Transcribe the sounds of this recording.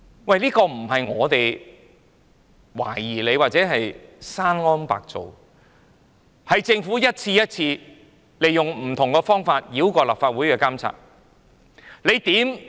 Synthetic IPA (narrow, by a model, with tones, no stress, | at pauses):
wɐ˥˧jliː˥kɔː˧m̩˨˩ɦɐ˨jŋɔː˨˧t̪e˨j | wa̰ː˨˩jiː˨˩le˨˧jwaː˨t̚t͡sɛː˨˥ɦɐ˨jsaː˥nŋɔː˥npa̰ː˨k̚t͡so̰˨w | hɐ˨jt͡sɪ˧ŋfu˨˥jɐ˥t̚t͡sʰiː˧jɐ˥t̚t͡sʰiː˧ | le˨jːʊ˨˩ŋm̩˨˩t̪ʰʊ˨˩ŋkɛː˧fɔː˥ŋfaː˧t̚jiː˨˥wkɔː˧la̰ː˨p̚faː˧t̚wuː˨˥jkɛː˧kaː˥mt͡sʰa̰ː˧k̚ | le˨˧jt̪iː˨˥m